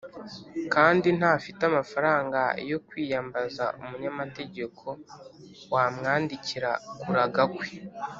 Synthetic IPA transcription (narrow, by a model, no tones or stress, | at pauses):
kaːndin̥haːfitamafaɾaːŋɡa̰jo̞kwiːjambaza̰umuɲamate̞ɟe̞kʰo̞ | waːmŋaːndiciɾakuɾaɡakwe